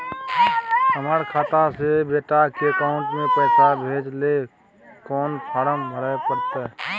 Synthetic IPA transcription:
əməɾkʰaːt̪asebeːʈakekaʊ̃ɳʈmẽpəːsabʱeːd͡ʒle | kɔːnpʰaːɾəmbʱəɾəepəɾt̪e

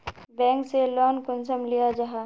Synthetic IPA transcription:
bɛ̃ːŋkselɔːnkʊnsəmlijad͡ʒaɦaː

